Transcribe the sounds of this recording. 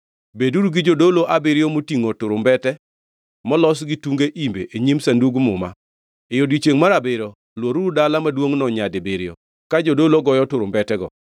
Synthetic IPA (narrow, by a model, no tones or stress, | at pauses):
beduɾuɡɪd͡ʒodoloʔabɪɾɪjomotiŋotʊɾʊmbɛtɛ | mɔlɔs̬ɡɪtuŋɡeʔimbḛʔeɲimsanduɡmʊma̰ | ejodɡit͡ʃeŋmaɾabɪɾo | lwoɾuɾdalamadwoŋnɔɲadɪbɪɾɪjo̰ | kad͡ʒodoloɡɔjɔtʊɾʊmbɛtɛɡɔ̰